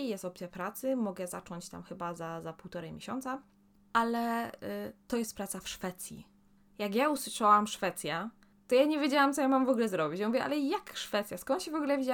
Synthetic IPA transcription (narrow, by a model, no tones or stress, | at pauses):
jɛst̪ɔpt̪sʲjapɾat̪sɘmɔɡɛza̰t͡ʂɔɲt͡ɕt̪a̰mxɘbazazapuwt̪ɔɾɛmʲjeɕɔnt̪sa | ʔalɛ | t̪ɔjɛst̪̚pɾat̪safʂfɛt̪sʲjḭ | jaɡjauswɘʂawamʂfɛt̪sʲja | t̪ɔjaɲɛvʲjed͡ʑawamt̪sɔjamamvɔɡulɛzɾɔbʲit͡ɕmuvʲjɛʔa̰lɛjakʂfɛt̪sjaskɔnt̪ɕɛvɔɡulɛavʲid͡ʑa